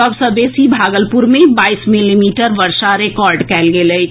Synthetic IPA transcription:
ɔbsəd̪eːsibʱaːɡəlpʊɾmẽbaːismɪlimiːʈəɾʋəɾʃaɾekɔːɾɖkɛːlɡele

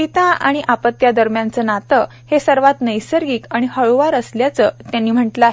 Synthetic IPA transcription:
it̪ãʔa̰ɽ̃iʔapət̪ːjad̪əɾmjãnt͡səːnat̪ə | hesəɾʋat̪nəjsəɾɡiːkaɽ̃ihəɭʋaɾəsljat͡səːt̪janːiːm̤əʈləaɦe

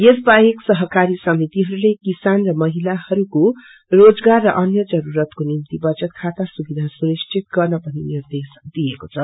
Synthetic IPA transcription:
jesbaeksʌɦʌkaɾisʌmit̪iɦʌɾulekisanrʌmʌɦilahʌɾuko | rod͡zɡarːʌʔʌnjʌd͡zʌɾuɾʌt̪konimt̪ibʌd͡zʌt̪̚kʰat̪asubid̪ʱasunist͡ʃʰit̪ɡʌrnʌpʌninird̪esd̪ijekot͡sʰʌ

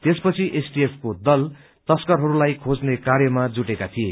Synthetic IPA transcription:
t̪espʌt͡sʰiʔesʈiepʰkod̪ʌl | t̪ʌskʌrɦʌɾulajkʰod͡znekarjʌmad͡zuʈekat̪ʰije

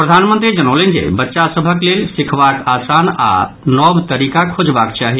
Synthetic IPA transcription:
pɾəd̪ʱanmə̃nt̪ɾid͡ʒənolind͡ʒḛbətːʃasəbʱəklelsikʰbakasana̰ | nɔbt̪əɾikakʰod͡ʒbakt͡ʃaɦi

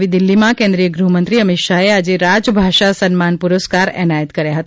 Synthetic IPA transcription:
ʋid̪ɪlːimãkẽnd̪ɾijəɡɾuɦmə̃nt̪ɾiəmɪt̪ʃaead͡ʒeɾad͡ʒbʱaʃasənmanpuɾəskaɾɛ̰najət̪kəɾjaɦət̪

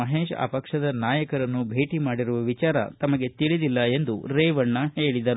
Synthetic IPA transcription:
ɐɦeːʂa̰ːpɐkʂɐd̪ɐnaːjɐkɐɾɐnːubʱe̞ːʈimaːɽiɾuʋɐʋit͡ʃaːɾɐ̰t̪ɐmɐɡe̞t̪iɭid̪ilːɐe̞nd̪uɾeːʋɐɳːɐhe̞ːɭid̪ɐɾu

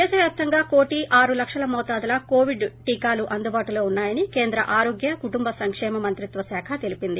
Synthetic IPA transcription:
d̪ɛːʃɐʋjaːp̚t̪ɐŋɡaːko̞ːʈiʔaːɾulɐkʂɐlɐmɔːt̪aːd̪ɐlɐkoːʋiɖʈiːkaːluʔɐnd̪ubaːʈulo̞ːunːaːjɐnike̞ːnd̪ɾɐ̰ʔaːɾo̞ːɡjɐkuʈumbɐsɐŋkʂɛːmɐmɐnt̪ɾit̪ʋɐsaːkʰɐt̪e̞lipind̪i

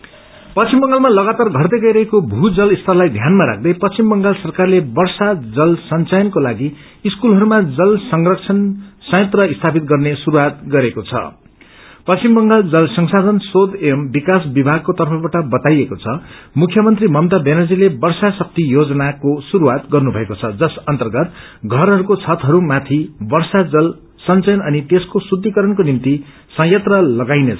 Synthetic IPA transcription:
pʌst͡simbʌŋɡalmalʌɡat̪arɡʱʌrt̪ʌɡʌjɾʌɦekobʱud͡zʌlist̪ʰʌlːajd̪ʱjanmaɾa̰k̚ʰd̪ʌjpʌst͡simbʌŋɡalsʌrkarlebʌrsad͡zʌlsʌnt͡sajʌnkolaɡiː | skulɦʌɾumad͡zʌlsʌŋrʌkt͡sʰʌnsʌjʌ̃t̪rʌist̪ʰapit̪̚ɡʌrnesuɾuwat̪̚ɡʌɾekot͡sʰʌ̰ | pʌst͡simbʌŋɡald͡zʌlsʌŋsad̪ʱʌnsod̪embikasbibʱaɡ̚kot̪ʌrpʰʌbaʈʌbʌt̪ajekot͡sʰʌmukʰjʌmʌnt̪rimʌmt̪ʌbenʌd͡zilebʌrsasʌk̚t̪ijod͡zʌnakosuɾuwat̪ɡʌrnubʱʌekot͡sʰʌd͡zʌsʌnt̪ʌrɡʌt̪̚ | ɡʱʌɾɦʌɾukot͡sʰʌt̪ɦʌɾumat̪ʰibʌrsad͡zʌl | sʌnt͡sʌjnʌnit̪eskosud̪ʱːikʌɾʌnkonimt̪i | sʌ̃jʌt̪rʌlʌɡajnet͡sʰ

